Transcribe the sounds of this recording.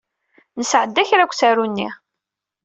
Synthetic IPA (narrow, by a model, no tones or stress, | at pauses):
nəsʕəd̪ːæçɾækʷːsæɾunːi